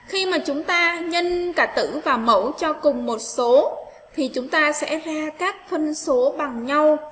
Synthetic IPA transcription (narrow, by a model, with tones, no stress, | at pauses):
xi˧maː˨˩t͡ɕʊ˨˦ŋ͡mt̪aː˧ɲə˧nkaː˨˧˩t̪ɨ̰˧˥vaː˨˩mə̰˧˩wt͡ɕɔ˧kʊ˨˩ŋ͡mmo˨˩t̚so˨˦ | t̪ʰi˨˩t͡ɕʊ˨˦ŋ͡mt̪aː˧sɛ̰˧˥zaː˧kaː˦˥k̚fə˧nso˨˦ɓa˨˩ŋɲa˧w